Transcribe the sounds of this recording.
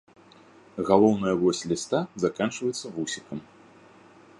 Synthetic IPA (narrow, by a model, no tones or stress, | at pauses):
ɣalˠɔwnɐjɐvɔsʲlʲist̪azakant͡ʂvɐjɛt̪sːɐvusʲikɐm